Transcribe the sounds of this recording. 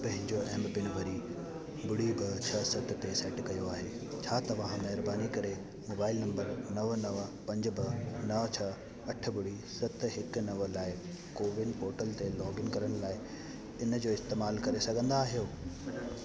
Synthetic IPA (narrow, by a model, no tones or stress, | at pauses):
pɐ̃ɦɪ̃ɲd͡ʑoʔɛ̃ːmbbɪnʋɐɾi | bʊɽibɪt͡ɕʰɐsɐt̪̆t̪esɛːʈkɐjoaːɦeːt͡ɕʰaːt̪ɐʋãɦmɛɦɪɾbaːnikɐɾe | moːbaːɪlnɐ̃mbəɾnɐʋnɐʋpɐ̃ɲd͡ʑbɪnɐʋt͡ɕʰɐ | ɐʈʰə̆bʊɽi | sɐt̪ɦɪknɐʋlaːɪ | koːʋɪnpoːɾʈəlt̪elɔːɡɪnkɐɾəɽ̃laːɪ | ɪnə̆d͡ʑoːɪst̪eːmaːlkɐɾesɐɡʱə̃nd̪aːɦijoː